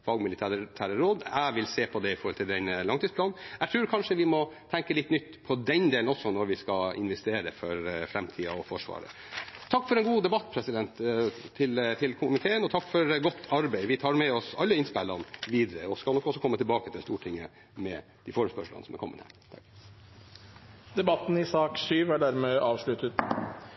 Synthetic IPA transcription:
fɑlɡmɪlɪt̪ʰæːɾt̪ʰæːɾəɾoːd̪æɪʋɪlseːpʰɔd̪ɛɪfɔɾhɔlt̪ʰɪld̪ɛnlɑŋt̪iːdspʰlɑːn̩æt̪ʰɾʉːɾkʰɑnʂəʋɪmɔt̪ʰɛŋkəlɪt̪ːnʏt̪ːpʰɔd̪ɛnd̪eːlnɔsɔnɔɾʋɪskɑɪ̰nʋɛst̪eːɾəfɔɾfɾɛmt̪ʰiːɑɔfɔʂʋɑ̰ːɾə̰ | t̪ʰɑkːfɔɾɛnɡuːd̪ɛbɑt̪ːpʰɾɛsɪd̪ɛnt̪ʰɪlt̪ʰɪlkʰʊmɪt̪ʰeːənɔt̪ʰɑkːfɔɾɡɔt̪ʰːɑɾbæɪʋɪt̪ʰɑːɾmɛɔsɑlːəɪnspælɑnʋiːd̪əɾəɔskɑlɔkːɔsɔkʰɔmːət̪ʰɪlbɑːkət̪ʰɪlst̪uːʈʰɪŋːə | mɛ̰ | d̪ɪfoːɾmspœʂlə̰nəsɔmæɾkʰɔmːə̰nhæ̰ɾt̪ʰɑk | d̪ɛbɑt̪ːn̩ɪsɑːksyːʋæɖæɾmeːʔɑːʋʂɭʉt̪ət̪

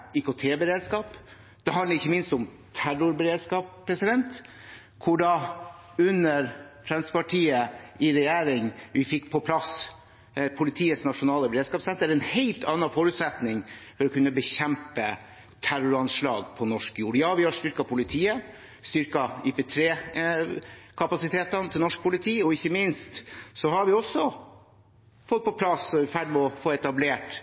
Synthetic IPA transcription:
ikʊt̪ʰeːbəɾeːd̪skɑːp | d̪̥ɛɦɑnəɾɪçːəmɪnst̪ʊm | t̪ʰæɾʊɾbəɾeːd̪skɑːppʰːɾɛsɪd̪ɛnt̪ | kʰʊɖɑ | ʉnːəɾfɾɛnspɑʈʰiːəɪɾɛjeːɾɪŋʋɪfɪkːpʰɔpʰlɑs | pʰʊlɪt̪ʰiːəsnɑʂʊnɑːləbəɾeːd̪skɑːpsɛnt̪əɾɛnheɪlt̪ʰɑnːɑfɔɾʉt̪sɛt̪nɪŋfɔɾɔkʰʉnːəbəçɛmpə | t̪ʰæɾʊɾɑnʂɭɑ̰ːɡpʰɔnɔʂkjuːɾjɑːʋɪhɑʂt̪ʏɾkɑpʰʊlɪt̪ʰiːə | st̪ʏɾkɑipɛt̪ʰɾeː | kʰɑpɑsɪt̪ʰeːt̪ɑnt̪ʰɪlnɔʂk̚pʊlɪt̪ʰiːɔɪçːəmɪnst̪sɔhɑɾʋɪɔsːɔ | fɔt̪̚ːpʰɔpʰlɑsɔɛfæɖmɛɔfoːɛt̪ɑbleːʈ

